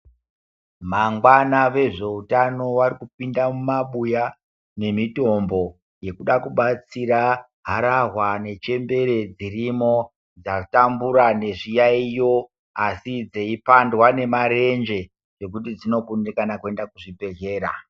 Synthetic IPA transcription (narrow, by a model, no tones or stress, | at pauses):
maŋɡwanaʋe̞ʐe̞utano̞ʋarikupindamumaɓuja | ne̞mito̞mbo̞ | je̞kuɗakuɓat͡siɾa | ɦaɾarwane̞t͡ʃe̞mbe̞ɾe̞d͡zirimo̞ | d͡zatambuɾane̞ʐijaijo̞ | asid͡zeipandwane̞maɾe̞nd͡ʒe̞ | ʐe̞k̬ut̬id͡zino̞kundikanakue̞ndakuʐibe̞ɮe̞ːɾa̰